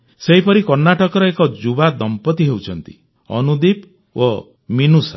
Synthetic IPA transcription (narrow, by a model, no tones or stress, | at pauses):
seɦipɔɾikɔɾnaʈɔkɔɾɔekɔd͡ʒubad̪ɔmpɔt̪iɦewt͡ʃʰɔnt̪i̥̰ | ɔ̰nud̪ip | o | minusa̰